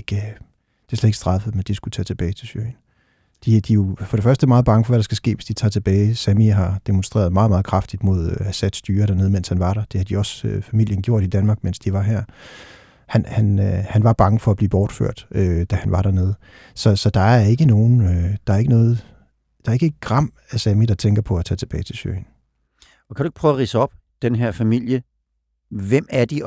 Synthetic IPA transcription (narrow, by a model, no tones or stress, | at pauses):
ɡ̥ | d̥e̝ɐsled̥eɡ̥sd̥ʁɑ̈fəð̩ˠmend̥isɡ̥ut͡sʰɛ̰ːt͡sʰe̝b̥ɛːɪt͡sʰe̝sø̰n | d̥id̥ijo̝fɒ̽ɾ̥e̝fɶɐsd̥ə̥mɑ̈ːð̩ˠbɑ̈ŋəfɒ̽ʋæɾ̥ɑ̈sɡ̥æsɡ̥ḛːʋe̝sd̥it͡sʰɑ̰ːt͡sʰe̝b̥ɛːɪsæmiɦɑ̈d̥e̝monsd̥ʁḛːɐð̩ˠmɑ̈ːðˠmɑ̈ːðˠkʰʁɑ̈fd̥id̥mo̝ð̞ˠæsæd̥sd̥yːɐɾ̥æɐne̝ð̞̩ˠmenshænʋɑ̈ɾ̥ɑd̥e̝hæd̥iɒ̽søfæmil̰jənɡ̥jo̝ɐ̰ɾ̥id̥ænmɑ̈ːɡ̥men̰sd̥iʋɑ̈ɦeɐ̰ | hænhænhænʋɑ̈b̥ɑ̈ŋəfɒ̽æb̥liːb̥ɒːd̥fø̰ɐ̰d̥ød̥æhænʋɑ̈ɾ̥æɐne̝ð̞̩ˠə | sɒ̽sɒ̽d̥ɑ̈æɐe̝ɡ̥əno̝ːn̩ød̥ɑ̈æɐe̝ɡ̥ənɔ̽ːð̞̩ˠ | d̥ɑ̈æɐeɡ̥əe̝d̥̚ɡ̥ʁɑ̈m̰ | æsæmid̥ɑ̈t͡sʰeŋɡ̥ɐpʰɒ̽æt͡sʰɛ̰ːt͡sʰe̝b̥ɛːɪt͡sʰe̝lɕø̰n | ɒ̽kʰæɾueɡ̥pʰʁœːʊʁiːsəɒ̽b̥ | d̥enɦeɐ̰fæmil̰jə | ʋem̰æɐd̥i